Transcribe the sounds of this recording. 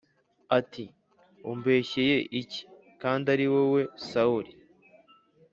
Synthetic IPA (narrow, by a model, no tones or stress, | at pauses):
ati | umbe̞ːçeje̞ʔici̥ | kaːndaɾiwewe̞sauɾi